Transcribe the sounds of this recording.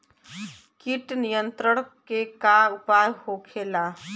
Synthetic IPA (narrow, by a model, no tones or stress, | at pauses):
kiʈnijənt̪ɾəɽ̃kekaupajhokʰela